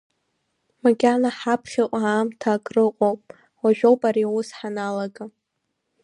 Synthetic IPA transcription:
maɡʲanaħapʰχʲaʔʷʼaːmtʰakʼrɨqʷʼowpʼ | waʒᶣowpʼaɾiwʊsħanalaɡa

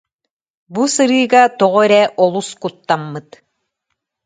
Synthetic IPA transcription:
busɯɾɯːɡat̪ɔʁɔɛɾɛʔɔlˠuskut̪ːamːɯt̪

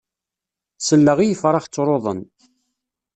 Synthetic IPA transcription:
səlːəʁijəfɾˤɑχt͡sːɾˤoðˤə̰n

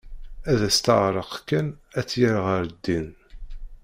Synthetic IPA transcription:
æðæst̪əʁɾˤəqkːænæt͡sːjəɾʁəɾd̪ːin

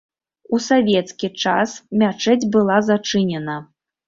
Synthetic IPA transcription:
usavʲɛt̪skʲit͡ʂasmʲat͡ʂɛd͡zʲbɨlˠazat͡ʂɨnʲɛnɐ

